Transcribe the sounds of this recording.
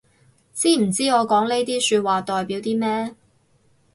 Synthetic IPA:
t͡siː˥m̩˨˩t͡siː˥ŋɔː˨˧kɔː˨˥ŋle˥jt̪iː˥syː˧t̚waː˨˩t̪ɔː˨jpiː˨˥wt̪iː˥mɛː˥

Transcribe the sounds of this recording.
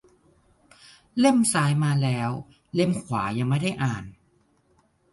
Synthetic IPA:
le˥˩msaː˨˦˥jmaː˧lɛː˦˥w | le˥˩mkʰwaː˩˦ja˧ŋma˥˩jda˥˩jʔaː˨˩n

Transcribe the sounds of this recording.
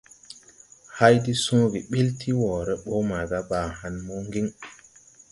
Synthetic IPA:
ha˦jdi˦sõː˦ɡi˨ɓi˦ltʰi˦wɔː˨ɾɛ˦ɓɔ˦ma˨ɡa˦ba˨ha˨nmɔ˦ŋɡi˦ŋ

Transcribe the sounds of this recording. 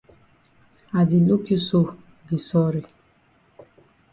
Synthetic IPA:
a˨di˨lu˦ki˦so˦ | ɡi˨sɔ˦ɾi˨

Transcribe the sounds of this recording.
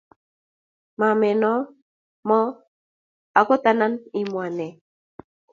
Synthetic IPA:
ma˨mɛ˨nɔ˦ | mɔ˦ | a˨kɔ˦t̪a˦na˦ni˨mwa˨nɛ˨

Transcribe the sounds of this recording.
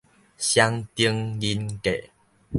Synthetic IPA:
ɕja˦ŋt̪i˧˦əŋji˧nkḛ˨

